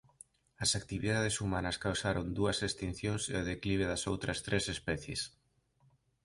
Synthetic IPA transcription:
ɐsakt̪iβiðaðesumanɐskawsaɾond̪uɐsest̪in̟θjõŋseoðekliβ̞eðɐsowt̪ɾɐst̪ɾʔesespɛθjḛs

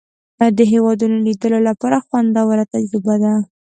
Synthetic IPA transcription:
ad̪əɦewɑd̪unolid̪əlolapɑɾaxwand̪awaɾat̪ad͡ʒɾɪbad̪a

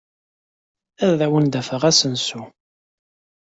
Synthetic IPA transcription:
æððæwənd̪æfəʁæsənsu

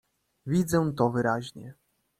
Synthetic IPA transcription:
vʲid̪zɛw̃t̪ɔvɘɾaʑɲɛ̰

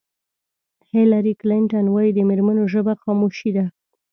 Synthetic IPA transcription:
hɪlaɾiklɪɳʈanwɑjid̪əmeɾmanoʒəbaxɑmoʃid̪a

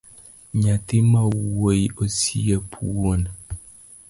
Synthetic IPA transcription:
ɲatimawojosiəpʰuon

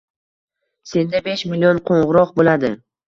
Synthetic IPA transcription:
se̞nd̪abeʃmilionqʰoɴʁɨɾɒq̚bolad̪ɪ

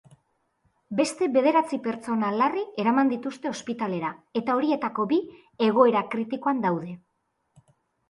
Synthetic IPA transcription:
be̞st̪e̞βe̞ð̞e̞ɾat͡sipe̞ɾt͡so̞nalarie̞ɾamand̪it̪ust̪e̞o̞spit̪ale̞ɾae̞t̪ao̞ɾie̞t̪ako̞bi | e̞ɣ̞o̞e̞ɾakɾit̪iko̞and̪awðe̞

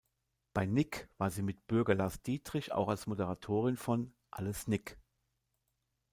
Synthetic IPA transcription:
b̥aɪnɪkv̥aːɐziːmɪtb̥ʏɐɡɐlaːsd̥iːtʁ̥ɪça̰ʊxalsmodəʁatʰoːʁɪnfɔn | ʔa̰ləsnɪk

